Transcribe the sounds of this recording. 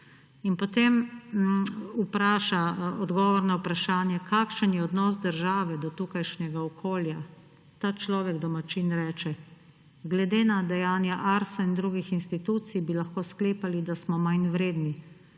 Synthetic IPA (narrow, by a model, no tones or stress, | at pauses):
inpɔt̪em | upɾaːʃaɔd̪ɡɔːʋɔɾnaupɾaʃaːnjɛkʰaːkʃənjɛɔd̪nɔːs̬d̪əɾʒaːʋɛd̪ɔt̪ukajʃnɛɡaɔkʰoːlja | t̪aːt͡ʃlɔːʋɛɡd̪ɔmat͡ʃiːnɾɛːt͡ʃɛ | ɡlɛd̪eːnad̪ɛjaːnjaʔaɾsaind̪ɾuːɡixinst̪it̪ut̪sijbilaxkoːskleːpalid̪asmɔmajnʋɾeːd̪ni